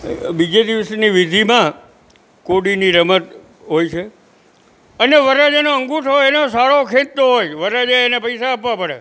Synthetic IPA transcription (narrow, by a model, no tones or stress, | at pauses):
bid͡ʒed̪iʋəsniʋid̪ʱimã | koɽiniɾəmət̪ | ɦojt͡ʃʰe | əneʋəɾad͡ʒenoəŋɡuʈʰɦojenosaɭokʰẽt̪ːoɦojʋəɾad͡ʒaenepəjsaːpʋapəɽḛ